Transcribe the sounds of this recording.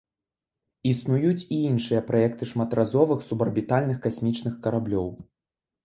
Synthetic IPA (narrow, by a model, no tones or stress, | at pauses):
isnujut͡sʲiinʂɨjɐpɾajɛkt̪ɨʂmat̪razɔvɨxsubɐrbʲit̪alʲnɨxkasʲmʲit͡ʂnɨxkɐɾablʲɔw